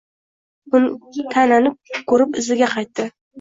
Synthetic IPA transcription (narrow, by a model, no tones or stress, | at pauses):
ʊnt̪ʰananɪp̚kʰɵɾɪpɪzɪɡʲaqʰɑjt̪ːɪ